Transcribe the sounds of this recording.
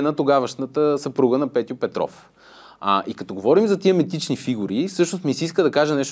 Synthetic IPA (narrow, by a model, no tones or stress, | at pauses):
nɐt̪oɡavəʃnət̪əsɐpɾuɡənɐpɛt̪jʊpɛt̪ɾɔ̰f | ʔikɐt̪ɔɡovɔɾimzɐt̪iəmit̪it͡ʃnifiɡuɾifsɤʃnost̪misiiskəd̪ɐkaʒənɛʃt̪